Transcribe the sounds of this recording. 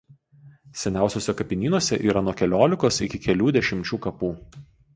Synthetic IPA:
sʲɛnʲæˑʊsʲoːsʲɛkɐpʲɪnʲiːnuɔsʲɛʔḭːɾɐnuɔkʲɛlʲoːlʲɪkoːsɪkʲɪkʲɛlʲuːd̪ʲɛʃʲɪmʲt͡ʃʲuːkɐpuː

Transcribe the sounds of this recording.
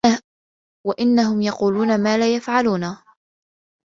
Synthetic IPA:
waʔɪnːaɦʊmjɑquːluːnamaːlaːjafʕaluːna

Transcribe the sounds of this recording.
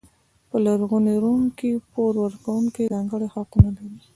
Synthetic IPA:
pəlaɾɣuneɾuŋkipoɾwəɾkawuŋkidɑŋɡəɽexaqunalaɾi

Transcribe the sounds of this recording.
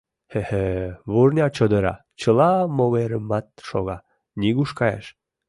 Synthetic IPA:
heheβurnʲɑt͡ɕod̪əɾɑ̰ | t͡ɕəlɑmoβeɾəmɑt̪̚ʃoɣɑ | nʲiɣuʃkɑjḛʃ

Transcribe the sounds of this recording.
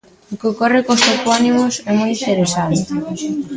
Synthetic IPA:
okeokɔrekost̪okoaniβʊsɛmɔjint̪eɾesant̪e̥

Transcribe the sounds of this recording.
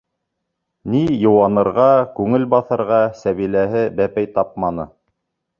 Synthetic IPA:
nijɤ̆wɑnɤ̆ɾʁɑkʉŋɘlbɑθɤ̆ɾʁɑsæβilæɦɘbæpæjt̪ɑp̚mɑnɤ̰

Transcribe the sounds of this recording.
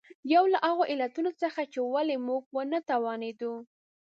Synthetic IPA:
jawlaʔaɣoʔɪlat̪unot͡səxat͡ʃewalemuɡ̚wənat̪awɑned̪u

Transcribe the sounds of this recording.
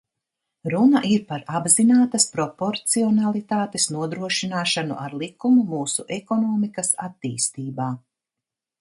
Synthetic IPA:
ɾunɐʔiɾpaɾabzinaːt̪ɐspɾɔpoɾt̪siɔnalˠit̪aːt̪esnuɔd̪ɾuɔʃinaːʃanṵʔa̰ɾlˠikumumuːsuʔɛkɔnɔːmikɐsa̰t̪ːiːst̪iːbaː

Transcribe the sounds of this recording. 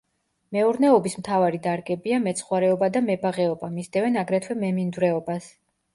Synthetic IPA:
mɛuɾnɛɔbismt̪ʰavaɾid̪aɾɡɛbiamɛt̪sʰχwaɾɛɔbad̪amɛbaʁɛɔbamisd̪ɛvɛnaɡɾɛt̪ʰwɛmɛmind̪uɾɛɔbas

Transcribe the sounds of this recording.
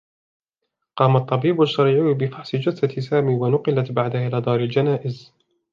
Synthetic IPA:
qɑːmat̪ˤːɑbiːbaʃːɑɾiːʕuːbɪfɑħsɪd͡ʒasat̪ɪsaːmiːwanʊqɪlat̪baʕd̪aʔɪlaːd̪ˤɑːɾɪld͡ʒanaːʔɪz

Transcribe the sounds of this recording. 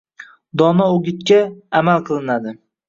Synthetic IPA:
d̪ɒnaoɡʲɪt̪kʲaːmalqʰɨlˠɪnad̪ɪ

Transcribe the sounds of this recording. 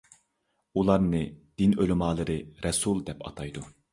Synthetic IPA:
ulˠɑɾnɨd̪̥inølɪmɑːlˠɨɾɨɾɛsulˠd̪ɛpʰɑ̰t̪ʰɑjd̪u

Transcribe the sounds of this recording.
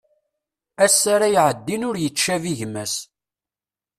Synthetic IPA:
æsːaɾajʕəd̪ːinʊɾjət͡ʃːæviʝmæs

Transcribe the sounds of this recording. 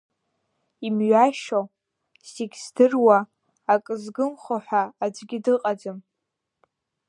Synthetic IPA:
imɥaʃo | siɡʲsdɨrwaː | kʼɨzɡɨmχoħʷᶣaːd͡ʒʷɡʲidɨqʼad͡zɨm

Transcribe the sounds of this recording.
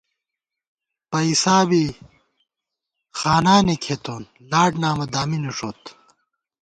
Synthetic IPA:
pɐisaːbi | xaːnaːnekʰet̪oːn | laːʈnaːmɐd̪aːmineʂoːt̪

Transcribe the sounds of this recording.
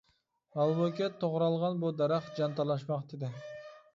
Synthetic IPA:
ɑlˠmokʲet̪ʰːoʁɾɑlˠʁɑnbod̪ɑɾɑqd͡ʒɑnt̪ɑlˠɑʃmɑqd̪ed̪ɪ

